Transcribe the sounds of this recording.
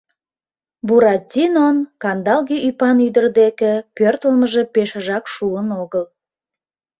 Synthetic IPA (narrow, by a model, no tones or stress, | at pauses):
buɾɑt̪ʲːinonkɑnd̪ɑlɣiypɑnyd̪ərd̪ekepørt̪əlməʒe̽peʃəʒɑkʃuənoɣəl